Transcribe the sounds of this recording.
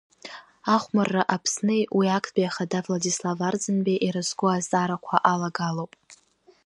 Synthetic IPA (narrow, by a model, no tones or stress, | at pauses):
aχʷmarːaʔapʰsnɨjwʔiakʰʼbiaχadavladislavard͡zɨnbaʔiɾɨzɡʷʊazʼaɾakʷʰaʔalaɡalowpʼ